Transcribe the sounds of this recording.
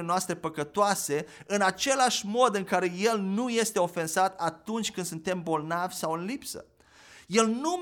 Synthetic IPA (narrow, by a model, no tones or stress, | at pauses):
enoast̪ɾe̞pəkət̪oase̞ɨnat͡ʃe̞laʃʲmo̞d̪ɨŋkaɾe̞je̞lnuje̞st̪e̞o̞fe̞nzat̪at̪unt͡ʃʲkɨnd̪sunt̪e̞mbo̞lnavʲsawɨnlipsə̰ | je̞lnu